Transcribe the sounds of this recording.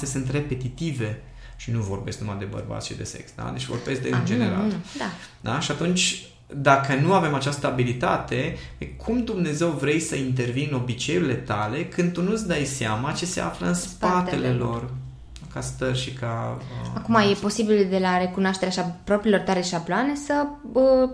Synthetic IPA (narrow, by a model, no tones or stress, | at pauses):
sesɨnt̪re̞pe̞t̪it̪ive̞ | ʃinuvo̞rbe̞sknumad̪e̞bə̰rba̰t̪ʃt͡ʃḭd̪e̞̰se̞̰ksd̪a̰d̪et͡ʃvo̞rbe̞sk̚d̪end͡ʒeneɾa̰ld̪a | d̪a̰ʃiat̪unt͡ʃ | d̪akənuave̞mat͡ʃast̪əabilit̪at̪e̞əjkʰumd̪umne̞ze̞wvɾe̞jsəint̪̬e̞rvino̞bit͡ʃe̞julile̞t̪ale̞kɨnd̪̚t̪unusd̪ajseamat͡ʃe̞se̞a̰fləɨnspat̪e̞lelo̞r | kast̪ərʲʃikaəakumaje̞po̞sibild̪e̞laɾe̞kunoaʃt̪eɾaʃapɾo̞pɾilo̞rt̪aɾeʃabloane̞səə